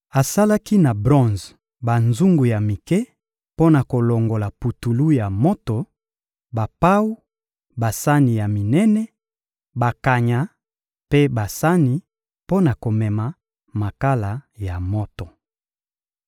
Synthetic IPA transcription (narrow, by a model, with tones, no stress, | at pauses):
a˨sa˦la˦ki˦na˨bʁɔ̃˦˨nz | ba˨nzu˦ŋɡu˨ja˨mi˨kɛ˦ | po˦na˨ko˨lo˨ŋɡo˨la˨pu˨tu˨lu˦ja˨mo˦to˨ | ba˨pa˦wu˦ | ba˨sa˦ni˨ja˨mi˨nɛ˦nɛ˦ | ba˨ka˨ɲa˨ | pe˦ba˨sa˦ni˨ | po˦na˨ko˨mɛ˨ma˨ | ma˨ka˦la˨ja˨mo˦to˨